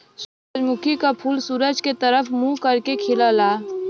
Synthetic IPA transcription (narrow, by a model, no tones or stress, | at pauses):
suɾəd͡ʒmʊkʰikapʰuːlsuːɾəd͡ʒket̪ɐɾəfʰmukɐɾkekʰɪlalaː